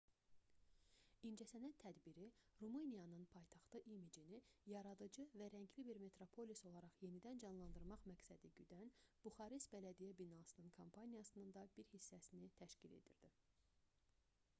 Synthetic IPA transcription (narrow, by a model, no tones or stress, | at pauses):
ind͡ʒæsænæt̪ʰːæd̪biɾiɾumɯnijɑnɯnpʰɑjt̪ʰɑχt̪ɯʔimid͡ʒinijɑɾɑd̪ɯd͡ʒɯvæɾæɲɟʰlibiɾme̞t̪ɾo̞pʰo̞liso̞lˠɑɾɑχje̞nid̪ænd͡ʒɑnlˠɑnd̪ɯɾmɑχmæcsæd̪iɟyd̪ænb̥uχɑɾist̪bælæd̪ijæbinɑsɯnɯnkʰompʰɑnijɑsɯnɯnd̪ɑbiɾhisːæsinit̪ʰæʃcile̞̰d̪ḭɾd̪̥i